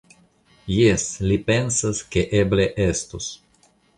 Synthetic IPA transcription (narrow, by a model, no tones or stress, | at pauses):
jeslipensaskeʔebleʔest̪os